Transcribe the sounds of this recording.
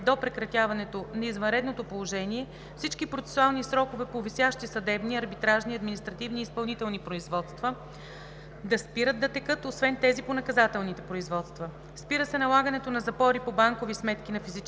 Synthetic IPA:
d̪opɾɛkɾɐt̪javɐnɛt̪onɐizvɐ̃nɾɛd̪not̪opolˠoʒɛniɛ | fsit͡ʃkipɾot̪sɛ̥sʊalˠnisɾɔkovɛpovisʲjaʃt̪isɐd̪ɛbniɐɾbit̪ɾaʒniɐd̪minist̪ɾɐt̪ivniːspɐlˠnit̪ɛlˠnipɾoizvɔt̪st̪və | d̪ɐspiɾəd̪d̪ɐt̪ɛkɤt̪osvɛnt̪ɛziponɐkɐzat̪ɛlˠnit̪ɛpɾoizvɔt̪st̪və | spiɾəsɛnɐlˠaɡənɛt̪onɐzɐpɔɾipobaŋkovismɛt̪k̟inɐfizit͡ʃ

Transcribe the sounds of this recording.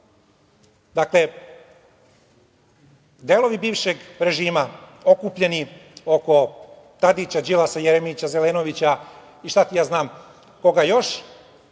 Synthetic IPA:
d̪akle̞ | d̪elo̞ʋibiːʋʃe̞ɡɾe̞ʒiːmao̞kupʎe̞nio̞ko̞ | t̪ad̪it͡ɕad͡ʒilasajeɾemit͡ɕazeleːno̞ʋit͡ɕa | iʃt̪at̪ijaːznaːm | ko̞ɡajo̞ʃ

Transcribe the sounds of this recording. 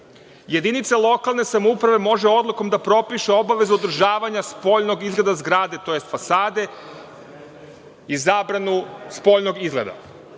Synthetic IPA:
je̞d̪init̪salˠo̞kalˠne̞samoupɾaʋe̞mo̞ʒe̞o̞d̪lˠuko̞md̪apɾo̞piʃe̞o̞baʋe̞zuod̪ɾ̩ʒaːʋaɲaspo̞ʎno̞ɡizɡle̞d̪azɡɾaːd̪e̞t̪o̞je̞st̪fasaːd̪e̞ | izaːbɾanuspo̞ʎno̞ɡizɡled̪a̰

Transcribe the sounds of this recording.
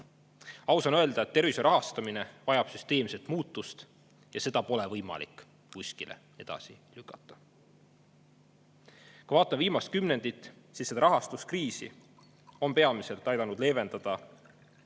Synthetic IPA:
ɑwsɑnøe̞ld̪̥ɑet̪ːe̞ɾviseɾʔɑɦɑst̪ɑmine̞vɑjɑb̥syst̪e̞ːmse̞lt̪muːt̪ːˑust̪ | jɑse̞d̪̥ɑpo̞le̞vɤjmɑ̰lḭkːˑ | kusʲkilʔḛ | e̞d̪̥ɑ̰sḭlykːˑɑt̪ːˑɑ̥ | kɑvɑːt̪ːˑɑnviːmɑst̪̚kymne̞nd̪̥it̪ːˑsisːed̪ɑɾɑɦɑst̪uskriːsḭ | o̞mpe̞ɑmise̞lt̪ːˑɑjd̪ɑnud̪̥le̞ːve̞nd̪̥ɑd̪̥ɑ

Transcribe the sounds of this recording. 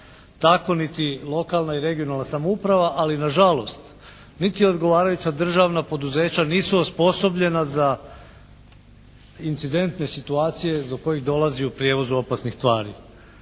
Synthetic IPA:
t̪ako̞nit̪ilˠo̞kalˠnaiɾe̞ɡio̞nalnasamoupɾaʋaʔalinaʒalo̞st̪ | nit̪io̞d̪ɡo̞ʋaːɾajut͡ɕad̪r̩ʒaʋnapo̞d̪uze̞ːt͡ɕaniːsuospo̞so̞bʎe̞naza | int̪sid̪e̞nt̪ne̞sit̪uaːt̪sije̞zbok̚ko̞jiɣd̪o̞lˠaziupɾje̞ːʋo̞zuo̞pasnixst̪ʋaːɾḭ

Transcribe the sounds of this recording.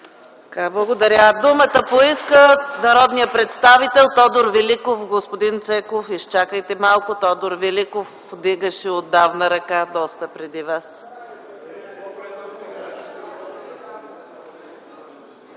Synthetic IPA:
kablˠəɡod̪ɐɾʲad̪umət̪əpoiskənɐɾɔd̪nijəpɾɛt̪st̪avit̪ɛlˠt̪ɔd̪oɾvilikofɡospod̪int̪sɛkofiʃt͡ʃakəjt̪ɛmalˠkʊt̪ɔd̪oɾvilikof | d̪iɡəʃɛod̪ːavnəɾɐkad̪ɔst̪əpɾɛd̪ivas

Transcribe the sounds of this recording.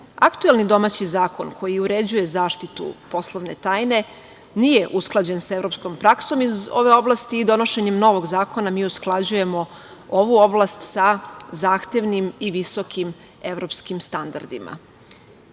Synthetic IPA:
akt̪uelˠnid̪o̞maːt͡ɕizaːko̞nkʰo̞jiuɾe̞d͡ʑuje̞zaːʃt̪it̪ṵpo̞slˠoʋne̞̰t̪aːjne̞ | nije̞ʔusklˠad͡ʑensaevɾo̞psko̞mpɾakso̞mizo̞̰ʋe̞o̞blˠast̪iːd̪o̞no̞ʃe̞ɲemno̞ʋo̞ɡzaːko̞namiːusklˠad͡ʑuje̞mo̞ | oʋuo̞blˠast̪sazaːxt̪e̞ʋnimiʋiso̞kʰim | e̞ʋɾo̞pskimst̪and̪a̰ɾd̪ima̰

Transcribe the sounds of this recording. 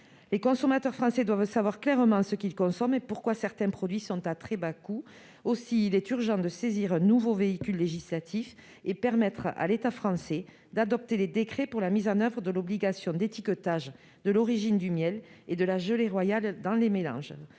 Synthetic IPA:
lekɔ̃sɔmat̪œʁfχɑ̃sed̪wavsavwaʁklɛʁəmɑ̃səkilkɔ̃sɔmepuʁkwasɛʁt̪ɛ̃pχɔd̪ɥisɔ̃t̪at̪χɛbaku | osiːlɛt̪yʁʒɑ̃d̪əseziʁɛ̃nuvoveikʲylːeʒislat̪ʰif | epɛʁmɛt̪χa̰let̪afχɑ̃se | d̪ad̪ɔp̚t̪eled̪ekχepuʁlamizɑ̃nœvʁəd̪əlɔbliɡasjɔ̃d̪et̪ikɔt̪aʒ | d̪əlɔʁiʒind̪ymjɛled̪əlaʒəleʁwajald̪ɑ̃lemelɑ̰̃ʒ

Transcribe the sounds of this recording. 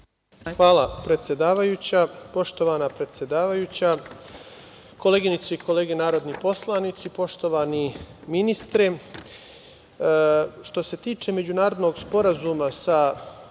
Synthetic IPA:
xʋaːlˠapɾe̞t̪sʲje̞d̪aːʋajuːt͡ɕapo̞ʃt̪o̞ʋanapɾe̞t̪sʲje̞d̪aːʋajuːt͡ɕa | ko̞leːɡinit̪soikʰo̞leːɡenaːɾo̞d̪nipo̞slˠanit̪sipo̞ʃt̪o̞ʋaːniminist̪ɾe | ʃt̪o̞se̞t̪iːt͡ʃe̞me̞d͡ʑunaːɾo̞d̪no̞ɡspo̞ɾazuːmasa

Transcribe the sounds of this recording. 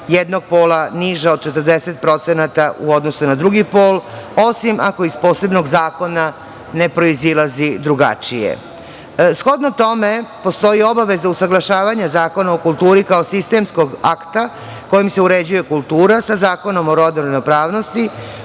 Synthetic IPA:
jed̪no̞ɡ̚po̞ːlaniʒao̞d̪̚t͡ʃe̞t̪əɾd̪e̞se̞t̪̚pɾo̞t̪senat̪aʔuo̞d̪no̞sunad̪ɾuɡipo̞ːlo̞simʔako̞izpo̞ːse̞bno̞ɡzaːko̞na | ne̞pɾo̞izilazid̪ɾuɡa̰t͡ʃijḛ | sxo̞d̪not̪o̞me̞po̞st̪o̞jio̞baʋe̞zausaɡlˠaʃaːʋaɲazaːko̞naokulˠt̪uːɾikaosist̪e̞msko̞ɡakt̪a | ko̞jimse̞uɾe̞d͡ʑuje̞kulˠt̪uːɾasazaːko̞no̞moɾod̪noɾanopɾaːʋno̞st̪i

